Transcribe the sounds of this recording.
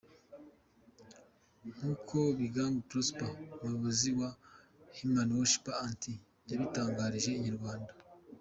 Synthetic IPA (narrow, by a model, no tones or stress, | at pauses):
n̥uːkʰo̞βiɡaːmɡutɾospaumujoβoziwa | himanwoʃpaanti | jaβitaːŋɡaːɾiʒe̞iɲaɾɡwaːnda